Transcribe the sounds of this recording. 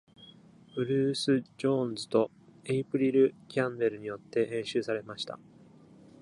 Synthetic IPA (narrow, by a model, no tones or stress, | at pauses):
bɯ̟ɾɯːsɨd͡ʑõ̞nzɨt̪o̞ | eipɯ̟ɾʲiɾɯ̟kʲãmbe̞ɾɯ̟ɲ̟ijo̞t̪ːe̞hẽ̞ɰ̃ɕɨːsaɾe̞maɕi̥t̪a̰